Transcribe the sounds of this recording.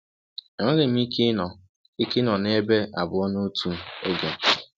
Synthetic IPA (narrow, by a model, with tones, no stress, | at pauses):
ŋʷʊ˦lɪ˨m̩˦i˦ki˦nɔ˨ | i˦kɪ˦nɔ˨ne˦be˦a˨bʊ˨˦ɔ˦no˦tu˨˦o˦ɡe˨